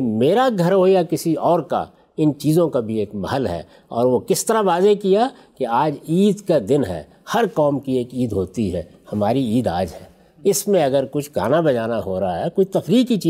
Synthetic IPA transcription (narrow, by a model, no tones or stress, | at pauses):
meːɾaɡʱɐɾɦoːjakɪsiɔːɾka̰ | ɪnt͡ʃiːzõkabʱieːkmɐ̰ɦəlɦɛ̰ː | ɔ̰ːɾʋokɪst̪əɾaʋaːzekija | keaːd͡ʒiːd̪kad̪ɪnɦɛ̰ː | hɐɾkɔːmkieːkiːd̪ɦoːt̪iɦɛ̰ː | hɐmaːɾiiːd̪aːd͡ʒɦɛː | ɪsmẽɐɡəɾkʊt͡ʃʰɡʱa̰ːnabɐd͡ʒaːnaɦoːɾaaɦɛkoːit̪ɐfɾiːkit͡ʃiː